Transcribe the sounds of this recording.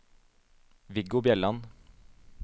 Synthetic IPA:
ʋɪɡʊbjɛlɑn

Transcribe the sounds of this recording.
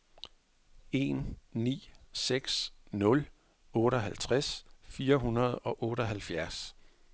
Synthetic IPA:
e̝̰nnḭːseɡ̥snɔ̽l | ɔ̽ːɾ̥əɒɦælt͡sʰʁasfiːɐɦunɐð̞ˠɒ̽ʔɔ̽ːɾ̥ɒɦælfjæɐs

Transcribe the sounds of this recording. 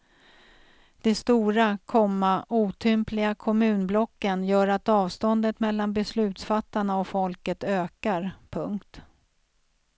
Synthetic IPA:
d̪̥ɛst̪uːɾakʰɔmːaʔuːt̪ʰʏmplɪɡakʰɔmʉ̟ːnblɔkːənjœːɾat̪ɑːvst̪ɔnd̪ət̪mɛlːanbɛslʉ̟ːt̪sfat̪ːaɳaɔfɔlkət̪øːkaɾpʰɵŋkt̪

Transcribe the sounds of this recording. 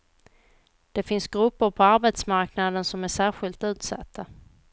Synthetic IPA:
d̪̥ɛfɪnsɡɾɵpːəɾpʰɔaɾbɛt̪smaɾknad̪ənsɔmæʂæːɾɧɪlt̪ʉ̟ːt̪sa̰t̪ʰːa

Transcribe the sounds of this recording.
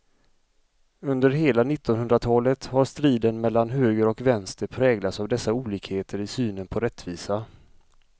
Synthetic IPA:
ɵnd̪əɾɦeːlanɪt̪ːɔnɵnd̪ɾat̪ʰɑːlət̪haɾʂt̪ɾiːd̪ənmɛlːanɦøːɡəɾɔkvɛnst̪əpʰɾɛːɡlat̪savd̪ɛsːauːliːkheːt̪ʰəɾɪsyːnənpʰɔɾɛt̪ːviːsa

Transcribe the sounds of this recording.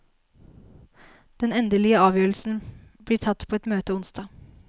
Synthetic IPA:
d̪̥ɛnɛnd̪əlɪəɑːʋjøːɾəl̩sn̩bliːʈʰɑt̪ːpʰoːɛt̪møːt̪əʊnsd̪ɑː

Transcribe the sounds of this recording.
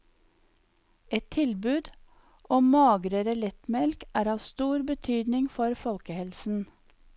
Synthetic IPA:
ɛt̪ʰɪlbʉːd̪ | ʔɔmɑːɡɾəɾəlɛt̪mɛlkʔæːɾɑːʋst̪uːɾbət̪ʰyːd̪nɪŋfɔɾfɔlkəhɛlsn̩

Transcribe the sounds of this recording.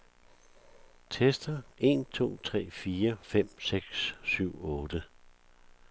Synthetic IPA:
t͡sʰesd̥ɐe̝̰nt͡sʰo̝̰ːt͡sʰʁɛ̰ːfiːɐfem̰seɡ̥ssyʊ̰ɔ̽ːd̥ə

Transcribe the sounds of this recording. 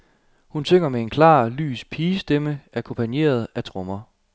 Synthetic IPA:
hunsøŋ̰ɐmee̝nkʰlɑ̰̈ːly̰ːspʰiːsd̥eməæɐkʰɔ̽mpʰænje̝̰ːɐð̞̩ˠæt͡sʰʁɔ̽mɐ

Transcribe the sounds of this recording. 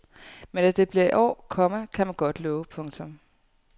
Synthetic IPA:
menæd̥e̝b̥liɐiʔɒ̰ːkʰɒ̽məkʰæmænɡ̥ɒ̽d̥lɔːʊəpʰɔ̽ŋt͡sʰɔ̽m

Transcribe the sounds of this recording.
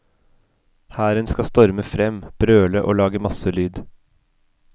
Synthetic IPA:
hæːɾənskɑst̪ɔɾməfɾɛmb̥ɾøːləʔo̰ːlɑːɡəmɑsəlyːd̪

